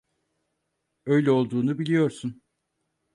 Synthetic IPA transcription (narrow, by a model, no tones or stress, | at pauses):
ø̞jlʲɛo̞lˠd̪uːnubilʲijo̞ɾsun